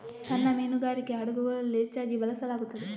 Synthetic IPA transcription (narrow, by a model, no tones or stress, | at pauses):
sɐnːɐmeːnuɡaːɾikːe̞ɐɽɐɡuɡɐɭɐlet͡ʃːaːɡibɐlɐsɐlaːɡut̪ːɐd̪e